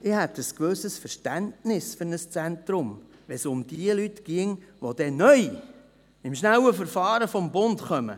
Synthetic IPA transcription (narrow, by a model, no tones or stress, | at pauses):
ɪhɛt̪əskʋøsəsfəɾʃtæntnɪsfʏɾnəst͡sɛntɾʊm | ʋɛsʊmd̥iəlytɡ̥iəŋʋod̥̪ɛnœj | ɪmʃnæwəfəɾfɑːɾəfɔmbʊntχœmə̰